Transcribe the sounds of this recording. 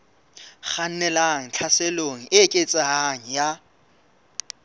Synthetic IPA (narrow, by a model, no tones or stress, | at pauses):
χan̩nɛlaŋ̩t͡ɬʰaseloŋ̩ɪkʼet͡sʼaɦaŋ̩ja